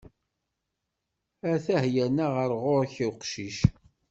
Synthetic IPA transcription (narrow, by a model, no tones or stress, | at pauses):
æθæhjænaʁəɾʁoɾçiwqʃiʃ